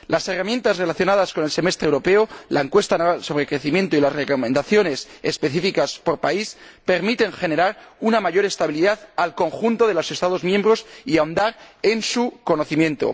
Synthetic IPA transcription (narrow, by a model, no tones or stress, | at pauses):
lase̞ramje̞nt̪azre̞laθjo̞nað̞asko̞ne̞lse̞me̞st̪ɾewɾo̞pe̞olaeŋkwe̞st̪anaso̞β̞ɾekɾe̞θimjẽ̞nt̪oilazrekomẽnd̪aθjo̞ne̞sḛspe̞θifikaspo̞ɾpaispe̞ɾmit̪e̞ŋxe̞ne̞ɾaɾunamaʝo̞ɾe̞st̪aβiliðaðalko̞ŋxunt̪o̞ðe̞lo̞se̞st̪aðo̞zmjembɾo̞siaond̪aɾe̞nsuko̞no̞θimjent̪o̞̰